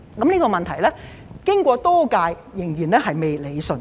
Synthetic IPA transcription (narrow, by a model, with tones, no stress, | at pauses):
kɐ˨˥mniː˥kɔː˧mɐ˨nt̪ʰɐ˨˩jlɛː˥ | kɪ˥ŋkʷɔː˧t̪ɔː˥kaː˧jːɪ˨˩ŋjiː˨˩nlɛː˥ɦɐ˨jme˨jle˨˧jsɵ˨˧n